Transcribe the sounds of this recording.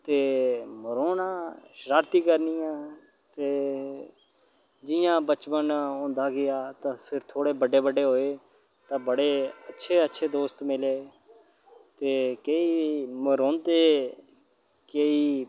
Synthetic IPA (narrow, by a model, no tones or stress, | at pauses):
t̪eːməɾoːnãːʃəɾaːɾt̪iːkəɾnijãː | t̪eː | d͡ʒɪjãːbət͡ʃpənõːnd̪aːɡɪaːt̪ãːpʰɪɾt̪ʰoːɽeːbəɖːeːbəɖeːɦoːeː | t̪ãːbəɽeːətːʃʰeːətːʃʰeːd̪oːst̪mɪleː | t̪eːkeiːməɾõːnt̪eː | keiː